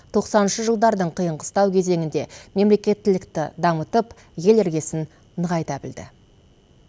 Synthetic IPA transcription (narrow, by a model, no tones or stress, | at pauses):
t̪ʰo̞qsɑnənʃəʒəlˠd̪ɑɾd̪əɴqʰijəɴʁəst̪ɑwkʲʰe̞ze̞ŋʲɪnd̪e̞me̞mle̞kʲe̞t̪ːɪlɪkt̪ɪ̰d̪ɑmət̪əp | je̞leɾɡʲe̞sɪn | nəʁɑjt̪ɑbɪld̪ɪ̰